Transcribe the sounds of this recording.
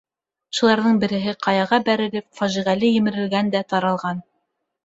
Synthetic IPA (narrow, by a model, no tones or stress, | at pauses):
ʃŭlˠɑɾðɤɴbɘ̆ɾɘ̆ɦɘqʰɑjɑʁɑbæɾɘ̆lɘp̚fæʒiʁælɘjɘ̆mɘ̆ɾɘ̆lɡænd̪æt̪ɑɾɑlˠʁɑn